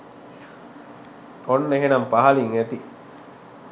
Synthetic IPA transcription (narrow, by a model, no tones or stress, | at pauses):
onːeɦenɐmpaɦɐliŋæt̪i